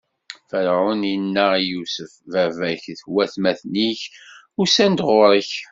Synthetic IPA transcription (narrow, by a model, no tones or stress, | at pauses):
fəɾʕʊninːæjusəfvævæçθwæθmæθniç | ʊsænd̪ʁʊɾˤəç